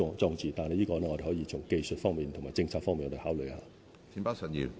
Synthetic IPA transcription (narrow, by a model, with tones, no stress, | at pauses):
ɔ˨˧ŋt͡sɔː˧ŋt͡siː˨˩t̪aː˨nhɐ˨˩jiː˥kɔː˧lɛ˥ŋɔ˧de˨˩hɔː˨˥jiː˨˧t͡sʰʊ˨˩ŋke˧jsɵ˨t̚fɔː˥ŋmiː˨˩nt̪ʰʊ˨˩ŋmaː˨˩t͡sɪ˧ŋt͡sʰaː˧k̚fɔː˥ŋmiː˨n˨ɔ˨˧˥e˨˩haː˨˥wlɵ˨jhaː˨˥ | t͡sʰiː˨˧˥mpaː˥sə˨˩njḭ˨˧˩